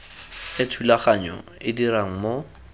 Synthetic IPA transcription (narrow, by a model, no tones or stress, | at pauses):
ɪtʰulaχaɲɔ̰ɪdiɾaŋ̩mo